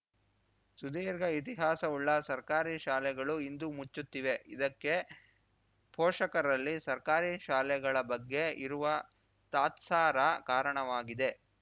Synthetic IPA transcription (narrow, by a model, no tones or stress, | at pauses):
sud̪iːɾɡɐit̪̬iɦaːsɐuɭːɐsɐɾkaːɾiʃaːlɛɡɐɭuind̪umut͡ʃːut̪ːiʋe̞id̪ɐkːe̞ | pɔːʂɐkɐɾɐlːisɐɾkaːɾiʃaːlɛɡɐɭɐbɐɡːe̞iɾuʋɐ | t̪aːt̪saːɾɐkaːɾɐɳɐʋaːɡid̪e̞